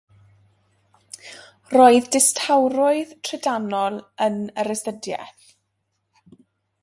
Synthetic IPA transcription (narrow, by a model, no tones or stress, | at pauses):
roːɨðdɪstʰawɾʊɨðtʰrɛdanɔlˠənəɾɛstədjɛ̰θ